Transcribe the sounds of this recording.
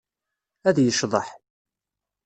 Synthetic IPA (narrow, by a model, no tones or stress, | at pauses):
æðjəʃðˤəħ